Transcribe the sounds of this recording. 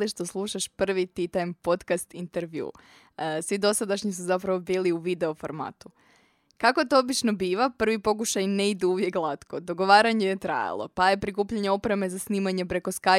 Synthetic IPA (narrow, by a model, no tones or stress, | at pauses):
liʃt̪o̞slˠuːʃaʃpr̩ʋit̪it̪ajmpo̞t̪kast̪int̪eɾʋjṵː | sʋid̪o̞sad̪aʃɲisuzap̬ɾaʋo̞biːliuʋid̪e̞ofo̞̰ɾma̰ːt̪u̥ | kakoet̪o̞obit͡ʃno̞biːʋapr̩ʋipo̞k̬uʃajneid̪uuʋje̞klˠat̪ko̞d̪o̞ɡo̞ʋaːɾaɲejet̪ɾa̰ja̰lˠo̞̰paje̞pɾikuːpʎaɲeo̞pɾe̞me̞zasniːmaɲe̞pɾe̞ko̞ska